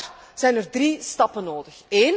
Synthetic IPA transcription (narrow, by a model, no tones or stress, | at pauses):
r | z̥ɛjnərdristɑpənːoːdəxeːn